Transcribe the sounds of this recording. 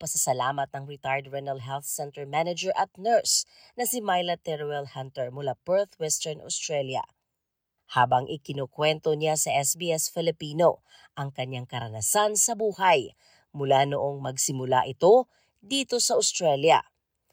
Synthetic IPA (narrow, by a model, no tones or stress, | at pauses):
pɐsɐsɐlaːmɐt̪̚ɐŋɹɪt̪ajɹd̪ɹɛnɐlɦɛlθsɛnt̪ɛɹmanɐd͡ʒɛɹʔɐt̪̚nɛɹs | nɐsɪmajlɐt̪ɛɾwɛlhant̪ɛɹmʊlabɛɹθwɛst̪ɛɹnʔɐ̰ʊst̪ɹɛljɐ̰ | haːbɐŋʔɪkɪnokwɛnt̪onɪasɐʔɛsbiːɛsfɪlɪpiːno̞ | ʔɐŋkɐɲːaŋkɐɾɐnɐsansɐbuːhaj | mʊlanoʔo̞ŋmɐɡsɪmʊla̰ʔɪt̪o̞ | d̪iːt̪o̞sɐʊst̪ɹɛljɐ̰